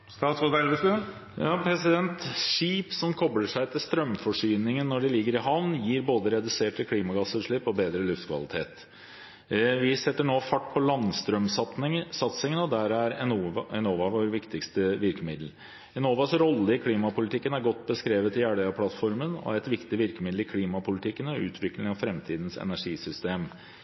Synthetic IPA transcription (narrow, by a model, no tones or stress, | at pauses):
st̪ɑːt̪sod̪ælʋəst̪ʉ | jɑːpʰɾɛsɪd̪ɛnt̪ʂiːpsɔmkʰɔbɽəʂæɪt̪ʰɪlst̪ɾœmfɔʂyːnɪŋənːɔɖɛlɪɡːəɾɪɦɑʋnnjiːɾboːd̪əɾɛd̪ʉseːʈɪkʰliːmɑɡɑsːəʂɭɪpːɔbeːd̪ɾəlʉft̪kʰʋɑ̰lɪt̪ʰḛːt̪ | ʋɪsɛt̪ːəɳoːfɑʈːpʰɔlɑnst̪ɾœmsɑt̪ɪsɑt̪sɪŋənɔd̪æɾæɾɛnoːʋɑʋoːɾʋɪkt̪ɪkst̪əʋɪɾkəmɪd̪l̩ | ɪnoːʋɑsɾɔlːəɪkʰliːmɑpʊlɪt̪ʰɪkːənæɾɡɔt̪ːbəskɾeːʋət̪ɪjæːɽəəpʰlɑt̪fɔɾmənɔ̰æɾɛt̪ʋɪkt̪ɪʋɪɾkəmɪd̪l̩ɪkʰliːmɑpʊlɪt̪ʰɪkːənɔʉ̰ːt̪ʰʋɪklɪŋɑfɾɛmt̪ʰiːd̪n̩sɛ̰næʂiːsʏst̪eːm